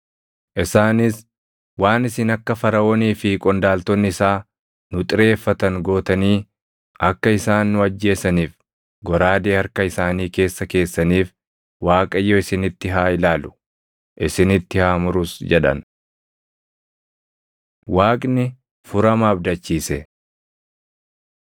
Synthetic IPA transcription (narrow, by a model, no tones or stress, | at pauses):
ʔɪsaːnɪs | waːnɪsɪnɐkːɐfɐɾɐoːniːfɪkʼɔnd̪aːlt̪ɔnːɪɪsaː | nʊt̪ʼɪɾe̞ːfːɐt̪ɐŋɡo̞ːt̪ɐniː | ɐkːɐɪsaːnːʊɐd͡ʒːe̞ːsɐniːf | ɡɔɾaːd̪eːhɐɾkɐɪsaːniːke̞ːsːɐke̞ːsːɐniːf | waːkʼɐjːoɪsɪnɪt̪ːɪɦaːɪlaːlʊ̥ | ʔɪsɪnɪt̪ːɪhaːmʊɾʊsd͡ʒɛᶑɐ̰n | waːkʼnɪ | fʊɾɐmɐːbd̪ɐt͡ʃːiːsɛ